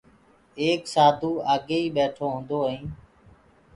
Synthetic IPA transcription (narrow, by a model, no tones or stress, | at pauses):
eːksaːd̪ʱuːaːɠeːiːɓeːʈʰoːɦʊ̃nd̪oːəɦĩː